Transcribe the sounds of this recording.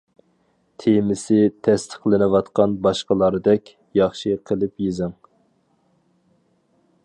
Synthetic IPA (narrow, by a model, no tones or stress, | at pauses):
t̪ʰemɪsɪt̪ʰɛst̪ʰə̥χlˠɪnɨwɑt̪qɑnbɑʃqəlˠɑɾɨd̪ɛkʲ | jɑχʃiqʰəlˠɨpjezɪŋ